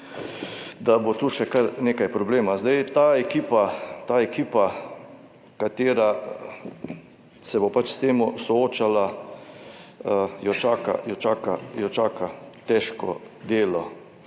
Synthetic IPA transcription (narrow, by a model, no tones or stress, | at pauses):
d̪abot̪uʃɛkaɾneːkajpɾɔbleːmazd̪ajt̪aːɛkiːpat̪aːɛkiːpa | kat̪eːɾa | sɛbopat͡ʃst̪eːmʊsɔoːt͡ʃala | jɔt͡ʃaːka̰jɔt͡ʃaːkajɔt͡ʃaːkat̪ɛʃkɔ̰d̪eːlɔ